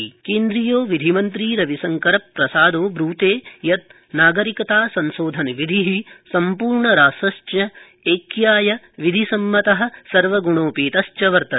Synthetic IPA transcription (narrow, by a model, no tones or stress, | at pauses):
keːnd̪ɾijoːʋid̪ʱimɐnt̪̬ɾiːɾɐʋisɐŋkɐɾɐpːɾɐsaːd̪oːbɾuːt̪eːjɐt̪̚ | naːɡɐɾikɐt̪aːsɐnʃoːd̪ʱɐnʋid̪ʱiɦisɐmpuːɾɳɐɾaːsɐst͡ʃjɐ | eːkjaːjɐ | ʋid̪ʱisɐmːɐt̪ɐɦɐ̆sɐɾʋɐɡuɳoːpiːt̪ɐst͡ʃɐʋɐɾt̪ɐ